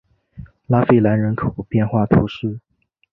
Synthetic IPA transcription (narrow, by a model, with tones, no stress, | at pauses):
la˥fe˥˩ɪla˧˥nɻə˧˥nkʰo˨˩ʊpjɛ˥˧nxwa˥˩t̪ʰṵ˧˥ʂɻ̩˥˩